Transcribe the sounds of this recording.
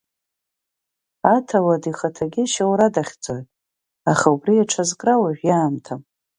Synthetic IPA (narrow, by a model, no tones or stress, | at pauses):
atʰawadiχatʰaɡʲɪʃawɾadaχʲd͡zʼojtʼ | aχaubriaʈ͡ʂʰazkʼrawaʒᶣjaːmtʰam